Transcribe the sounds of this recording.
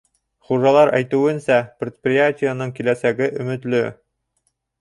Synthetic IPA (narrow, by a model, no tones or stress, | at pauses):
χuʒɑlˠɑɾæjt̪ɘ̆wɘ̆nsæprʲɪt̪̚prʲɪjatʲɪjanɤɴkilæsæɡɘʔɵ̆mɘ̆t̪lɵ